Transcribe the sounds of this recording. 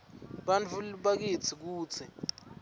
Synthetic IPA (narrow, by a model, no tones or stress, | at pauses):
ɓant͡fʰulɓak̬it͡sʰik̬uːt͡sʰi